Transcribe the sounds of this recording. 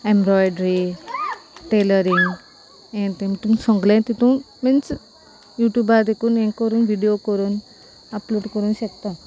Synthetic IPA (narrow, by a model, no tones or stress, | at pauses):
ẽmbɾɔjɖɾi | ʈeləɾiŋɡ | ẽt̪emt̪umsɔ̃ŋɡlẽt̪it̪um | ment͡s | juʈjubaɾd̪ekunẽŋkːɔɾunʋiɖijokɔɾun | aploɖkɔɾunɕekt̪a